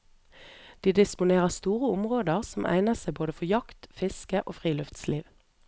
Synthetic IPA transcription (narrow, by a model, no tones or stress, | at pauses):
d̪̥iːd̪ɪspʊneːʁəʁst̪uːʁəʊmʁoːd̪əʁsɔmʔæ̰ɪnəsæɪboːd̪əfɔjɑkt̪fɪskəʔoːfʁiːlʉft̪sliːʋ